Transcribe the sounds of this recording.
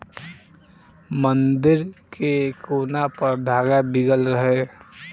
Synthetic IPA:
mənd̪ɪɾkekoːnapəɾd̪ʱaːɡabɪɡəlɾəɦe

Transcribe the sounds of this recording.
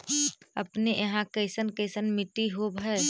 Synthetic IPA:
əpnejɐɦãkəɪsənkəɪsənmɪʈːiɦobʱɦɛː

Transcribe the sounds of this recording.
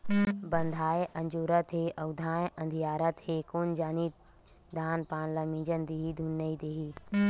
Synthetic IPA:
bɐ̃nd̪ʱaːeʔɐ̃nd͡ʒuːɾət̪ɦeːʔɐwd̪ʱaːeʔɐ̃nd̪ʱijaːɾət̪heːkond͡ʒaːnit̪ | d̪ʱaːnpaːnlɐmĩːd͡ʒənd̪iːɦid̪ʱunːəid̪eɦi

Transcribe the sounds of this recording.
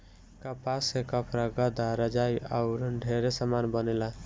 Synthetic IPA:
kapasekəpɾaɡəd̪aɾəd͡ʒaja̰ʊɾɖʱeɾesamanbənela

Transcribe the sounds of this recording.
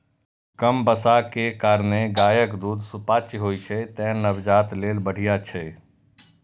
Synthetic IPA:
kəmbəsakekaːɾneɡaːjəkd̪uːd̪supaːt͡ʃiɦoːit͡ʃʰɛt̪ɛnəbd͡ʒaːt̪leːlbəɽ̤ijat͡ʃʰɛ

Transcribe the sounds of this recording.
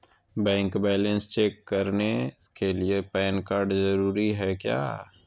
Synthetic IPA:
bɛ̃ːŋkbɛːlẽnst͡ʃeːkːəɾnekeliepɛːnkaːɾɖzəɾuːɾiɦɛkja̰ː

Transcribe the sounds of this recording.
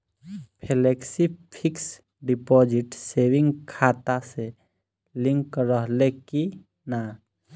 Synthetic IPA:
pʰeleksipʰɪks | ɖipɔːd͡ʒɪʈseːwɪ̃ŋɡkʰaːt̪ase | lɪ̃ŋkɾəɦleki | na

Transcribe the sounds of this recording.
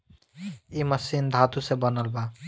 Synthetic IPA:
imasind̪ʱat̪usebɔnalba

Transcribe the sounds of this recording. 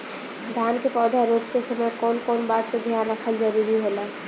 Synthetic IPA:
d̪ʱjaːnkepɔːd̪ʱaɾoːp̚kesəməjkɔːnkɔːnbaːt̪̚ked̪ʱjaːnakʰəld͡ʒaɾuɾiɦola

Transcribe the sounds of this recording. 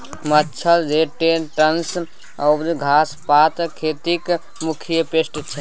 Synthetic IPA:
məːt͡ʃʰəld͡ʒeʈeʈəns | əɾɡʱaspat̪kʰet̪ik | mukʰijəpesʈt͡ʃʰɛ

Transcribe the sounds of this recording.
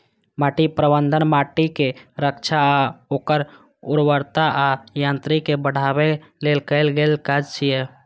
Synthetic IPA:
maːʈipɾəbə̃nd̪ʱənmaːʈikeɾəkt͡ʃʰaoːkəɾ | ʊɾwəɾt̪aʔajãːnt̪ɾikebəɽ̤aːweleːlkəɪlɡeːlkad͡ʒt͡ʃʰiɛ

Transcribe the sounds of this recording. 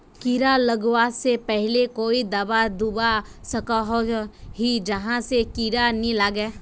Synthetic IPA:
kiɾaləɡwasepɛɦlekoːid̪ɐbad̪ubasɐkaɦoːɦid͡ʒɐɦãsekiɾanĩlaːɡɛː

